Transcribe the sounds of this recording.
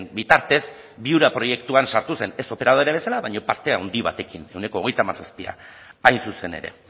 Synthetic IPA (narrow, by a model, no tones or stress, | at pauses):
mbit̪aɾt̪e̞z | biuɾapɾo̞je̞kt̪uansaɾt̪use̞ne̞so̞pe̞ɾaðoɾeβ̞e̞salaβaɲo̞paɾt̪e̞awnd̪iβa̰t̪e̞kine̞wne̞ko̞ːɣ̞e̞jt̪amasaspia̰ajnsuse̞ne̞̰ɾe̞̰